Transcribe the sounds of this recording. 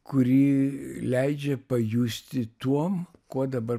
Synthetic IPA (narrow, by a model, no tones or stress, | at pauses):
kʊɾʲiːlʲɛɪd͡ʒʲɛpɐjuːsʲt̪ʲɪt̪uɔmkoɔd̪ɐbɐ